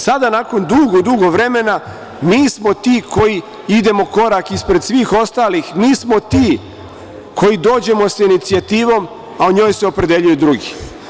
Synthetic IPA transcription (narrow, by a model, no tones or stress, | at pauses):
sad̪anaːko̞nd̪uːɡod̪uːɡoʋɾe̞me̞na | miːsmo̞t̪iːkʰo̞ji | id̪e̞mo̞ko̞ɾakispɾe̞d̪sʋiːxo̞st̪aːlixmiːsmo̞t̪iː | kʰo̞jid̪o̞ːd͡ʑe̞mo̞sainit̪siat̪iːʋo̞m | aoɲo̞ːjse̞o̞pɾe̞d̪e̞ʎujud̪ɾuɡi